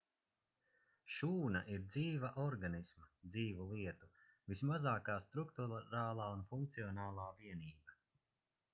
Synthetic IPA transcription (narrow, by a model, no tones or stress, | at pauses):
ʃuːnaʔiɾd̪ziːvaʔɔɾɡanismad̪ziːvulˠiɛt̪uvismazaːkaːst̪ɾuk̚t̪uɾaːlˠaːunfuŋk̚t̪siɔnaːlˠaːviɛniːba